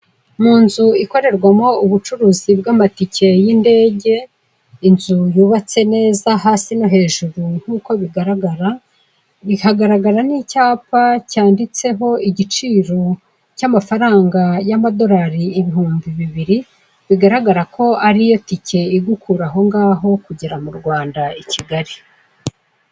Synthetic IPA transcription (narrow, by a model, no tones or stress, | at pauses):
muːnzuiko̞ɾe̞ɾɡwamo̞uβut͡ʃuɾuːzibɡaːmaticʰe̞jinde̞ːɟe̞ | inzujuːβat͡se̞ne̞ːzaɦaːsinoɦe̞ːʒuɾun̥huːko̞βiɡaɾaɡaɾa | βihaɡaɾaɡaɾanicaːpacaːndit͡se̞ɦo̞iɟit͡ʃiːɾo̞ | camafaɾaːŋɡajamado̞ɾaɾiːβiɦuːmbiβiβiɾi | βiɡaɾaɡaɾakʰo̞aɾijo̞ticʰe̞iɡukuɾaɦo̞ŋɡaːɦo̞kuɟiɾamuɾɡwaːndaicʰiɡaɾi